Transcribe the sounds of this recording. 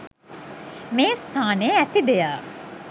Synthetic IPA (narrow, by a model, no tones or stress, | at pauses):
meːst̪ʰaːneæt̪id̪ejaː